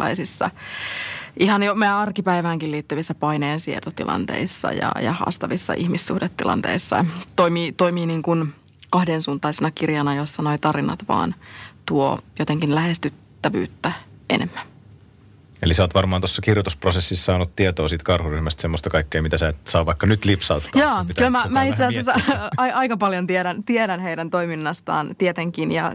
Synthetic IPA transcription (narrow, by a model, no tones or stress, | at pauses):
ɑ̰isisːɑ̰ | ʔihɑnjomeæɑrkipæiʋæːŋkilliːt̪ːyʋisːæpɑineːnsiḛrt̪ot̪ḭlʔɑ̰nt̪ḛisːɑ̰jɑ̰jɑ̰hɑ̰ːst̪ɑʋisːɑ̰ʔihmisːuhdet̪ːilɑ̰nt̪ḛisːɑ̰t̪oimiːt̪oimiːniːŋkun | kɑhdensuːnt̪ˑɑisenɑkirjɑnɑjosːɑnoit̪ɑrinɑ̰t̪ʋɑ̰ːnt̪uojot̪eŋkinlæhest̪yt̪ːæʋy̰ːt̪ːæʔḛnemːæn | ḛlisæoːt̪ʋɑrmɑːnt̪osːɑkirjot̪usprosesːisːɑːnut̪t̪iet̪oːsiːt̪kɑrhuryhmæst̪semːost̪ɑkɑikːeːmit̪æsæːt̪sɑːʋɑikːɑnyt̪lipsɑut̪ːjɑːt̪llæmæmæit̪sessɑiɑjkɑpɑljont̪ieɾænt̪ieɾænɦeidænt̪oiminːɑst̪ɑ̰ːnt̪iet̪eŋkinjɑ̰